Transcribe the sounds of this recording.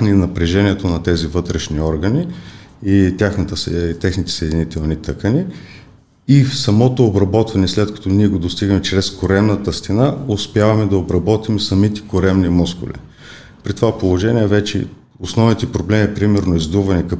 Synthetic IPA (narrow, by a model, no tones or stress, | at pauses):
ninɐpɾɛʒɛniɛt̪onɐt̪ɛzivɤt̪ɾɛʃniɔɾɡəniit̪ʲjaxnɐt̪əst̪ɛxnit̪ɛ̥səjd̪init̪ɛlˠnit̪ɤkəniː | fsɐmɔt̪oːbɾɐbɔt̪vɐnɛslɛt̪kɐ̥t̪oniɛɡod̪ost̪iɡəmɛt͡ʃɾɛskʊɾɛmnət̪əst̪inaʊspʲjavɐmɛd̪ɐobɾɐbɔt̪imsɐmit̪ɛ̥kʊɾɛmnimuskʊ̰lḭ | pɾit̪ovapolˠoʒɛniɛvɛt͡ʃɛ̰ | osnɔvnit̪ɛpɾoblɛmipɾimɛɾnoizd̪uvɐnɛkɐ